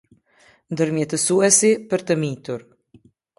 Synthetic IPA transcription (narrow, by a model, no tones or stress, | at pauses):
nd̪əɾmjɛt̪əsuɛsipəɾt̪əmit̪uɾ